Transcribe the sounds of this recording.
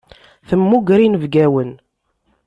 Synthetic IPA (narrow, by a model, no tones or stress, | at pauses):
θəmːuɡɾinəvɡæwən